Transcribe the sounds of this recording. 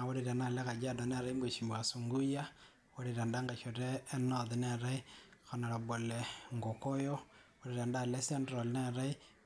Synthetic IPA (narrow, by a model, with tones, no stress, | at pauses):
wo˦ɾeɾa˨na˦lɛ˦ka˨d͡ʒa˦da˨nɛ˦ɾa˦i˦mbwe˨ʃi˨mba˨su˨ŋɡu˦ja˦ | wo˦ɾeɾa˨nda˦ŋɡa˨ʃo˨ɾeː˦nɔði˨nɛ˦˨ɾa˦i˦ko˨na˨ɾa˨bo˨le˨ŋɡo˨ko˦jo˦wo˦ɾe˨ɾa˨nda˦lɛ˦sɛ˦ndɾo˨lnɛ˦˨ɾa˦i˦